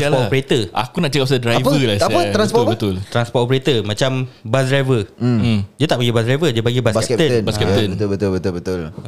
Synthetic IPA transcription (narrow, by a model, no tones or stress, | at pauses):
lpɔtopɾet̪əʔa̰kunaʔt͡ʃəkap̚sadɾaajvpəəlasaət̪ɾanspɔbət̪ʊlt̪ɾanspɔtopɾet̪əmãt͡ʃambas̬dɾajvə | d͡ʒət̪aʔpaɡibasdɾajvəd͡ʒəpaɡibasbskɛp̪ənbaskɛp̚tt̪ənbət̪ubət̪ʊbət̪ʊlbət̪ʊl